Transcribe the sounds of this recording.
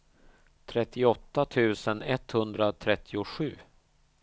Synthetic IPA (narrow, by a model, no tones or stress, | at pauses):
t̪ʰɾɛt̪ːɪɔt̪ːat̪ʰʉ̟ːsənɛt̪hɵnd̪ɾat̪ʰɾɛt̪ʰːɪʊɧʉ̟ː